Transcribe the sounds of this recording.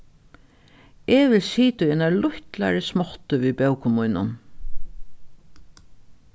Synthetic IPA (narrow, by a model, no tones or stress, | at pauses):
eʋɪlsiːt̪ʊjɛnalʊçt̪la̰ɹɪsmɔt̪əʋiːbœwkʊmujnʊ̰n